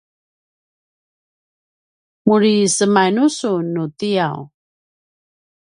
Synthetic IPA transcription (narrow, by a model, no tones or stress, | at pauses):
muɾisəmanusunutijaw